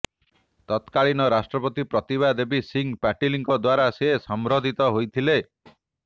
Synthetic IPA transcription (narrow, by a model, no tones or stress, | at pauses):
t̪ɔt̪kaɭinɔɾasʈɾɔpɔt̪ipɾɔt̪iβad̪ebisiŋpaʈiliŋkɔd̪waɾasesɔmɾod̪ʱit̪ɔɦojt̪ʰile